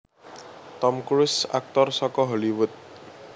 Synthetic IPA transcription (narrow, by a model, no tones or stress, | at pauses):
t̪ɔmkɾʊsa̰k̚t̪ɔrsɔkɔɦɔliwʊt̪̚